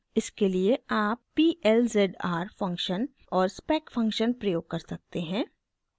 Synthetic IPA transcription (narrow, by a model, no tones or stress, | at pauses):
ɪskelieaːpːiːʔɛlzeɖaːɾfɐ̃ŋkʃən | ɔːɾspɛːkfʰɐ̃ŋkʃənpɾɐjoːɡ̚kɐɾsɐk̚t̪eɦɛ̃ː